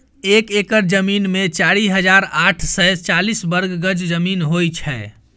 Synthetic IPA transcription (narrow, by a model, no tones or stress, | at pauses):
ekekəɾd͡ʒəminmet͡ʃaɾiɦəd͡ʒaɾaʈʰsɛt͡ʃalisbəɾɡɡəd͡ʒd͡ʒəminɦojt͡ʃʰɛ